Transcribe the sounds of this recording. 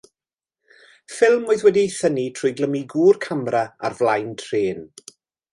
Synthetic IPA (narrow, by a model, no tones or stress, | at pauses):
fɪlˠmʊɨðwɛdiθənitʰrʊːjɡlˠəmiɡuːrkʰamɾaa̰rvlˠajntʰreːn